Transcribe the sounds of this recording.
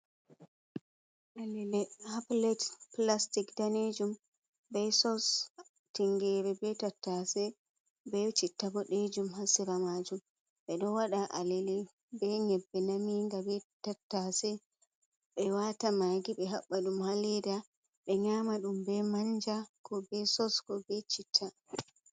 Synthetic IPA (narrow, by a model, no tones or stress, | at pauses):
ʔalɛlɛaplɛtplastikdaned͡ʒum | bɛsɔs | tiŋɡɛɾɛbɛtatːasɛ | bɛt͡ʃitːabɔɗed͡ʒumhasiɾamad͡ʒum | ɓɛɗɔwaɗaʔalɛlɛ | bɛŋɛbːɛnamiŋɡabɛtatːasɛ | ɓɛwatamaɡiɓɛɦaɓːaɗumhalɛda | ɓɛɲamaɗumbɛmaɲd͡ʒakʰɔbɛsɔskɔbɛt͡ʃitʰːa